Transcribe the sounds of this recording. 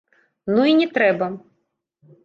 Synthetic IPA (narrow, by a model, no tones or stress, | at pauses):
nuinʲɛt̪ɾɛbɐ